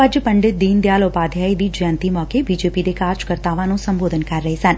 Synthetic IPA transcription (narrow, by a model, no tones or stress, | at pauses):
ɐd͡ʒpəɳɖɪt̪̚d̪iːnd̪jaːlopaːd̪ʱjaːid̪iːd͡ʒə̃nt̪imɔːkebiːd͡ʒeːpid̪ekaːɾd͡ʒkəɾt̪aːʋãnũsə̃mboːd̪ənkɐɾːəɦesɐn